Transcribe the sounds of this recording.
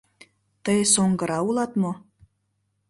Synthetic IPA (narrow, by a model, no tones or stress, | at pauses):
t̪əjsoŋɡɤ̆ɾɑulˠɑt̪mo